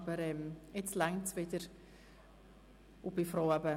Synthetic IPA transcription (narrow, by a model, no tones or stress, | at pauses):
bəɾɛmɪt͡slɛŋt͡sʋɪd̥əɾ | ʊb̥ɪfɾoʊɛbə